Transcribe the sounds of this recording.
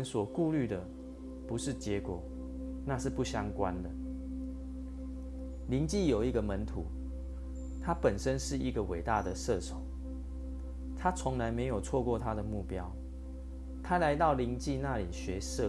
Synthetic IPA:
nswɔ˨˩ku˥˧ly˥˩d̪ə˩ | pu˨˧˦ʂɻ̩˥˩t͡ɕjɛ˧˦kwɔ˨˩ | na˥˧ʂɻ̩˥˧pu˥˩ɕja˦ŋkwa̰˦nd̪ə˩ | li˧˦ŋt͡ɕi˥˨jo˨˩ʊi˧˦˥ɡə˨mə˧˦nt̪ʰṵ˧˦ | t̪ʰa˦pə˨˩nʂə˦nʂɻ̩˥˩i˧˥ɡə˨we˨˩ɪt̪a˥˨d̪ə˨˩sɤ˥˨t͡sʰo˨˦ŋ | t̪ʰa˦t͡sʰɔ˨˦ŋla˧˦ɪme˧ɪjo˨˩ʊt͡sʰwɔ˥˧kwɔ˥˨t̪ʰa˦d̪ə˨mu˥˩pjɑ˦ʊ | t̪ʰa˦la˧˦ɪt̪ɑ˥˩ʊli˨˦ŋt͡ɕi˥˧na˥˨li˨˩ɕɥɛ˧˥˦sɤ˥˨

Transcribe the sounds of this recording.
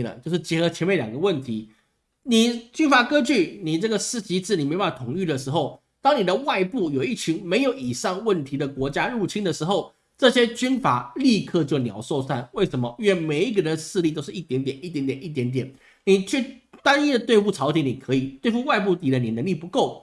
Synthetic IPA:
lə̰˨t͡ɕjo˥˧ʊʂɻ̩˥˩t͡ɕjɛ˧˥xɤ˧˥t͡ɕʰɛ˧˥nme˥˩ɪljɑ˨˩ŋɡə˦wə˥˩nt̪ʰi˧˥ | ni˨˩t͡ɕy˥nfa˨˩kə˥t͡ɕy˥˩ni˨˩ʈ͡ʂɤ˥˩ɡə˩sɹ̩˥t͡ɕi˧˥t͡sɹ̩˥˩ni˨˩me˧˥a˥˨˩t̪ʰʊ˨˩ŋy˥˩d̪ə˩ʂɻ̩˧˥xo˥˩ʊ | t̪ɑ˥ŋni˨˩d̪ə˦wa˥˧ɪpu˥˩jo˨˩ʊi˥˩t͡ɕʰi˧˥ŋme˧˥ɪjo˨˩˦ʊi˨˩ʂɑ˥˧ŋwə˥˩nt̪ʰi˧˥d̪ə˨kwɔ˧˥t͡ɕja˥ɻu˥˩t͡ɕʰi˥nd̪ə˨ʂɻ̩˧˥xo˥˧ʊ | ʈ͡ʂɤ˥˧ɕjɛ˥t͡ɕy˥nfa˨˩˦li˥˧kʰɤ˥˧t͡ɕjo˥˩ʊnjɑ̰˧˥ʊso˥˧ʊswa˥˩nwe˥˩ɪʂə˧˥nmə˧˥ɥɛ˥˩nme˨˩ɪi˧˥ɡə˧ɻə˧˦n˧ʂɹ̩˥˧li˥˧t̪o˥ʊʂɻ̩˥˩ʔi˥˩t̪jɛ˧˥nt̪̬jɛ˨˩ni˥t̪jɛ˧˥nt̪jɛ˨˩ni˥˩t̪̬jɛ˧˥nt̪jɛ˨˩˦n | ni˨˩t͡ɕʰy˥˩t̪a˥ni˥˩də˨t̪we˥˧ɪfu˥˩ʈ͡ʂʰɑ˧˥ʊt̪ʰi˧˥ŋni˨˩kʰɤ˧˥i˨˩t̪we˥˧ɪfu˥˧wa˥˧ɪp̬u˥˩t̪i˨˩də˦ni˨˩nə˧˥ŋli˥˩pu˧˥ko˥˩ʊ

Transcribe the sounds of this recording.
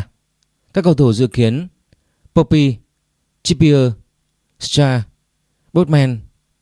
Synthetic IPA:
kaː˦˥kːə˧wt̪ʰo˧˩zɨ̰˧˨ki˨˦ən | po˧pi˧ | t͡ɕi˦˥pi˧əː˧ | st͡ɕaː˧ | ɓo˦˥t̚mɛ˧n

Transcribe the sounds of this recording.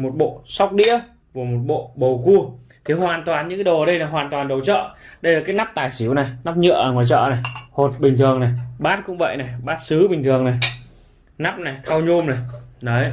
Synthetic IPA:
mo˨˩t̚ɓo̰˧˨sa˦˥wk͡p̚ɗḭ˧˥ə | va˨˩mo˨˩t̚ɓo̰˧˨ɓə˨˩wku˧ə | k̪ʰe˨˩˦hwaː˨˩nt̪waː˨˩nɲɨ̰˧˥ŋkːɗo˨˩ə˨˦˩ɗə˧jnaː˨˩jwaː˨˩nt̪waː˨˩nɗə˨˩wt͡ɕɔ̰ː˧˨ɗə˧jlaː˨˩kaː˨˦jna˦˥p̚t̪aː˨˩jsi˧˩˦əwna˨˩jna˦˥p̚ɲɨ̰˧˨əʔŋwaː˨˩jt͡ɕɔ̰ː˧˨na˨˩jho˨˩t̚ɓï˨˩ŋ̟t̪ʰɨ˨˩əŋna˨˩jɓaː˦˥t̚kʊ̰˧˥ŋ͡mvə̰˧˨jna˨˩jɓaː˦˥t̚sɨ˨˦ɓï˨˩ŋ̟t̪ʰɨ˨˩əŋna˨˩j | na˦˥p̚na˨˩jt̪ʰa˧wɲu˧mna˨˩jnə˨˦

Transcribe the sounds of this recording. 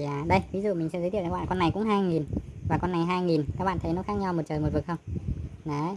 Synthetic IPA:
a˨˩ɗə˧jvi˨˦zṵ˧˨mï˨˩ŋɛ̰˧˥zə˨˦t̪ʰi˧˨˩ɓa̰ː˧˨˩kɔ˧nːa˨˩jkʊ̰˧˥ŋ͡mɦaː˧jŋi˨˩nvaː˨˩kɔ˧nːa˨˩jɦaː˧jŋi˨˩nkaː˦˥ɓa̰ː˧˨nt̪ə˨˦jnɔ˨˦xaː˦˥k̚ɲa˧wmo˨˩t͡ɕəː˨˩mo˨˩vɨ˨˩k̚xə˧wŋ͡mnə˨˦

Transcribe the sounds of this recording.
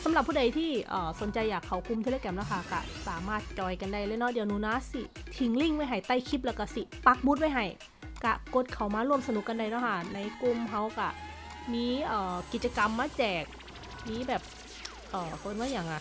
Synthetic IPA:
sa˨˦mla˨˩pʰːuː˥˩da˧jt̪ʰiː˥˩ʔəː˨˩so˨˩˦nt͡ɕa˧jːaː˨˩kʰːa˨˩wkʰu˧mt̪ʰe˧leː˧kɛ˧mlɛ˧˥˩kʰa˧˩ka̰˧˩saː˩˦maː˥˩t̪̚t͡ɕɔː˧jka˧nda˥˩jlɛ˧˥˩nɔ˦˥˩diː˧ə˧wnuː˧˦naː˦˥si˧˩ | t̪ʰi˧˩ŋli˥˩ŋwa˥˩jɦa˧˩jt̪a˧˩jkʰi˦˥p̬̚lɛ˧˥˩wka˧˩si˧˩pa˧˥k̚bu˧˦˥t̪̚wa˧˥jɦa˧˩j | ka˧˩ko˧˦˥t̪̚kʰa˨˩wmaː˧ɾu˥˩əmsa˧nu˨˦kːa˧nda˧˩jnɔ˦˥˩kʰa˧˥˩na˧jku˧mɦa˧˥wka˧˩ | miː˧˥ʔɤː˨˩ki˨˩t̪̚t͡ɕa˧ka˧mːaː˧˥t͡ɕɛː˨˩k̚ | miː˧˥bɛː˨˩p̚ | ʔəː˨˩ko˧nwaː˧˥˨jaː˨˩˦ŋʔa˧˩

